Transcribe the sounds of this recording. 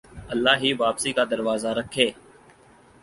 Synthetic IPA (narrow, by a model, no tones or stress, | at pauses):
əlːaːɦiːʋaːpsiːkad̪əɾʋaːzaːɾəkʰːeː